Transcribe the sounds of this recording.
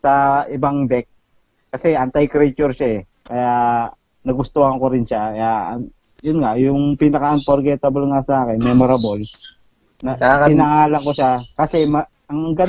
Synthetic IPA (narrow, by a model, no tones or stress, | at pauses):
sɐʔɪbaŋd̪ɛk̚ː | ɐsɛʔɐnt̪ajkɾɛt͡ʃʊɾʃaɛ | kɐjaʔ | nɐɡʊst̪ohɐŋkoɾɪnʃajaɐ | jʊnŋajʊŋpinɐkɐʔɐnpoɾɡɛt̪ɐbolŋasɐʔaːkɛnmɛmoɾɐbol | nɐaɪnɐŋaːlɐŋko̞ʃakɐsɛmɐ | ɐŋɡɐ